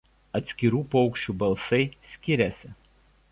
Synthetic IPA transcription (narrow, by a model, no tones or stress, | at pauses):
ɐt̪ʲsʲkʲɪɾuːpɔʊkʃʲt͡ʃʲuːbɐlˠsɐɪsʲkʲɪɾʲɛsʲɪ